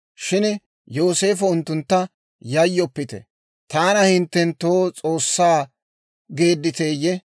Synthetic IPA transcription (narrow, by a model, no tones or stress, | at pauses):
ʃɪn | jo̞ːse̞ːfɐʊnt̪ːʊnt̪ːɐ | jɐjːɔpːɪt̪ɛ̰ | t̪aːnɐhɪnt̪ːɛnt̪oːt͡sʼo̞ːsːaː | ɡe̞ːd̪ːɪt̪e̞ːjːɛ